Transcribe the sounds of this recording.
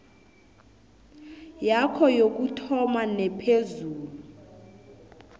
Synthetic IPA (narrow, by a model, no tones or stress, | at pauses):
jakʰɔjok̬ʼutʰɔmanɛpʰezuːluu